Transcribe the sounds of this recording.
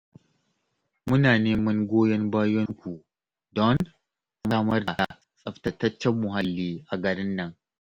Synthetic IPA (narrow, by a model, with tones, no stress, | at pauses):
mʊ˦naː˨neː˦mɐ˦ŋɡʷoː˦jɛ˦ŋbaː˦jɔ˦ŋkʷu˨ | dɔ˦n | a˨maː˦mɐ˦rda˨a˨ | sʼɐ˨ɸtɐ˦tːɐ˦t͡ʃːɛ˦mːʊ˨ɦa˦lːiː˦ʔa˨ɡɐ˨ɽɪ˦nːɐ˨ŋ